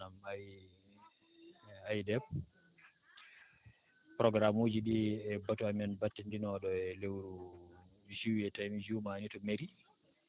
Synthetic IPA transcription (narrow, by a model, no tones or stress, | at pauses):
amaj | ajdɛb̚ | pɾɔɡɾamoːd͡ʒiɗiɛbatuamɛnbatːindinɔɗɔɛlewɾu | suwiɛtamid͡ʒumanitɔmeɾi